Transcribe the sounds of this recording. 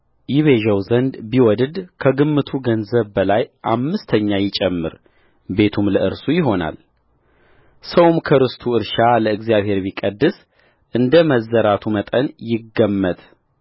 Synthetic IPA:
jɪβeʒəwzənd̪biwɔd̪d̪kʰəɡɨmːɨt̪ʰuɡənzəβbəlajʔamːɨst̪ʰəɲːajɪt͡ʃʼɛmːɨ̰ɾ | be̞t̪ʰumləʔɨɾsujɪɦo̞na̰l | səwmkʰəɾɨst̪ʰuɨɾʃaləɨɡzijaβhe̞ɾbikʼəd̪ːɨs | ʔɨnd̪əməzːəɾat̪ʰumət̪ʼənjɪɡːəmːət̪

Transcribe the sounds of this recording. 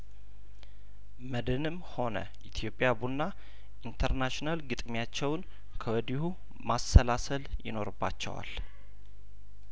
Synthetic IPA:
məd̪ɨnɨmho̞nə̰ | ʔit̪ʰjo̞pʼːjabunːa | ʔint̪ʰəɾnaʃnalɡɨt̪ʼmjat͡ʃːɛwn | kʰəwɔd̪ihu | masːəlasəljɪ̰no̞ɾɨbːa̰t͡ʃːɛ̰wa̰l

